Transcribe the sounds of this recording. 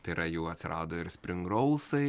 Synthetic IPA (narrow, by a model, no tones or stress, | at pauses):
t̪ɐɪɾɐjuːɐt̪ʲsʲɪɾʔɑ̰ːd̪oːɪɾsʲpʲɾʲɪŋɡɾɐʊsɐɪ